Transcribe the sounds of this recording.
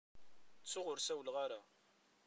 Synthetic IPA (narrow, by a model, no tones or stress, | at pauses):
t͡sːʊʁʊɾsæwəlʁaɾa